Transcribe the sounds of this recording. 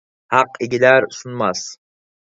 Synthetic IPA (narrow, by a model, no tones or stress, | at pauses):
hɑqɪɡʲilæɾsunmɑs